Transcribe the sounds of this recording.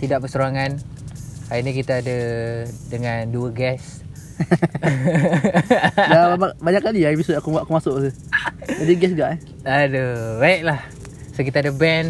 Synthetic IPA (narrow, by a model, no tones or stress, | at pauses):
t̪idaʔpəsuɾaŋan | aiɲik̬it̪aːdadəŋanduəɡɛs | ababaɲaʔkːaliaipisot̪akumaʔakumasʊʔkəd͡ʒadiɡɛsɡaʔɛ | adəbaiʔ̚lah | sokit̪aːdabɛn